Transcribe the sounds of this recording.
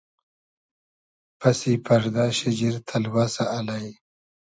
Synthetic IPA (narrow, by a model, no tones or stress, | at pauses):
pɐsipʰɐɾd̪aːɕid͡ʑiɾt̪ʰɐlwaːsaːlaj